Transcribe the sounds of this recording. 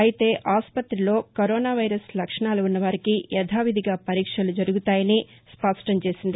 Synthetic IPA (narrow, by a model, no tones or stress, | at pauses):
ɐjit̪e̞ːʔaːspɐt̪ɾilo̞ːkoɾoːnaːʋɐjɾɐslɐkʂɐɳaːluunːɐʋaːɾikijɛd̪ʱaːʋid̪ʱiɡaːpɐɾiːkʂɐlud͡ʒɐɾuɡut̪aːjɐni | spɐʂʈɐɲt͡ʃe̞ːsind̪i